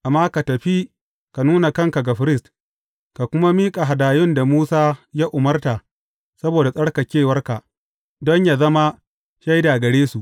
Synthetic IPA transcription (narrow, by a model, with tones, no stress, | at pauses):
ʔa˨mːaː˦ka˨tɐ˨ɸi˦ | ka˨nuː˦na˨kɐ˦ŋka˨ɡa˨ɸɪ˦ɾɪ˦˨st | ka˨kʷʊ˦ma˦miː˦kʼa˨ɦa˨daː˨jʊ˦nda˨muː˦saː˦jaː˦ʔʊ˨mɐ˦rta˨ | sɐ˦boː˨da˨sʼɐ˦ɽka˨kʲeː˦˨wɐ˦rka˨ʔ | dɔ˦ɲja˨zɐ˦ma˦ | ʃa˦jda˨ɡɐ˨ɽeː˦su˨ʔ